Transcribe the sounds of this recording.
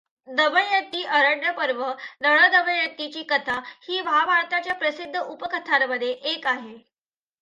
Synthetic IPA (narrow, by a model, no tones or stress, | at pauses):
d̪əʋəjət̪ːiːʔəɾəɳɖəpəɾʋənəɭəd̪əʋəjət̪ːit͡ɕiːkət̪ʰahiːʋabʱaɭt̪at͡ɕjapɾəsid̪ʱːəʔupəkʰət̪ʰaɾməd̪ʱːjeʔekaɦe